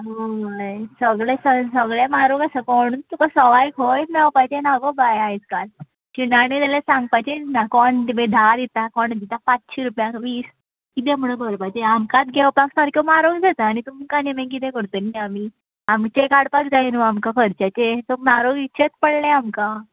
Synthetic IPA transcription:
ɦoajsəɡɭesəsəɡɭamaɾoɡasakɔɽ̃unt̪ukasəʋajkɦoj̪nawpajt͡ɕenaɡobajajt͡skal | t͡ɕinaɽ̃ealesãŋɡ̚pajt͡ɕenakɔɳd̪ibẽd̪ʱaɾit̪akɔɳd̪it̪apat͡sɕiɾupjãʋiːs | kit̪ẽm̤əɽ̃ə̃bʱəɾbat͡ɕeamkat̪ɡewpaksaɾkemaɾoɡd͡zʱat̪aːñit̪umkanemẽk̬it̪ẽkəɾt̪oniami | amt͡ɕekaɽpakd͡zajinuamkakʰəɾt͡ɕat͡ɕet̪ɔmaɾoɡitːɕʰet̪pəɽleamka

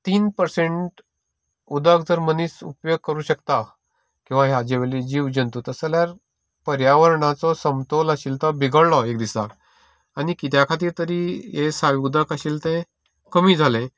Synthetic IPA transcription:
t̪iːnpəɾsẽɳʈ | ud̪əkd͡zəɾməniːsupjoɡ̚kəɾuːɕəkt̪a | kĩw̃ʋaɦjad͡ʑeʋelid͡ʑiːʋd͡ʑənt̪ut̪əsəljaɾ | pəɾjaʋəɾɳat͡sɔsəmt̪oləɕiːlt̪ɔbʱiɡəɽlɔek̚d̪isa̰k | anikit̪jakʰat̪̬iːɾt̪əɾiːjesaʋud̪əkaɕiːlt̪ɛ̃ | kəmiːd͡zʱalẽ

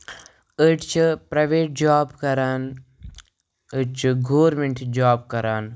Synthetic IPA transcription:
əʈt͡ʃʰpɾɐʋeːʈ̚d͡ʒaːbkɐɾaːn | əʈt͡ʃʰɡoːɾmeɳʈd͡ʒaːb̚kɐɾaːn

